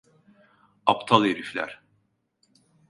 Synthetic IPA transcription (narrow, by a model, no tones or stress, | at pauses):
apt̪ʰalˠeɾiflʲæ̰ɾ̥